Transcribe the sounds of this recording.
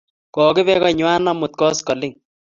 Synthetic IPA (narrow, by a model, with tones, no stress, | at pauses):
kɔ˨kɪ˦βɛ˦kɔ˦ɲwa˦nɔ˦mʊ˨t̪̚kɔ˦skɔ˨lɪ˦ŋ